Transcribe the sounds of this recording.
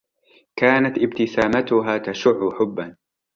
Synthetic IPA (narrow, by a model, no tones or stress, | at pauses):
kaːnat̪ʔɪbt̪ɪsaːmat̪ʊɦaːt̪aʃʊʕːʊħʊbːan